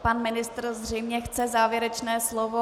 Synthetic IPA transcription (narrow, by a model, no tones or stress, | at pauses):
panmɪnɪst̪rzr̝ɛjmɲɛxt͡sɛzaːvjɛɾɛt͡ʃnɛːslovo